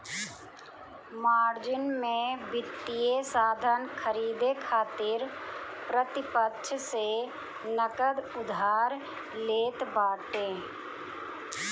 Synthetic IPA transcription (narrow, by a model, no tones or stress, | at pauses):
maːɾd͡ʒɪnmẽbɪt̪ːijesaːd̪ʱənkʰəɾiːd̪ekʰaːt̪ɪɾpɾət̪ɪpətʃʰse | nəkəd̪ʊd̪ʱaːɾ | leːt̪baːʈẽː